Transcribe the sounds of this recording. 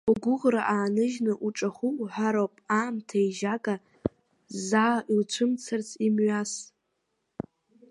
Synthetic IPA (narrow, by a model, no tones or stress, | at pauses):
uɡʷʊʁraʔaːnɨʒnɨʔuʈ͡ʂʼaχʷuħʷaɾowpʼaːmtʰajʒakʼa | zaːʔilt͡ʃʷʰɨmt͡sʰart͡sʰimɥas